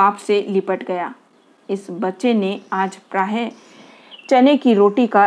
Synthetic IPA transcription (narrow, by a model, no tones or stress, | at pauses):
aːpselɪpəʈɡɐjaː | ɪsbɐtːʃeneaːd͡ʒpɾaːɦe | t͡ʃɐnekiɾoːʈika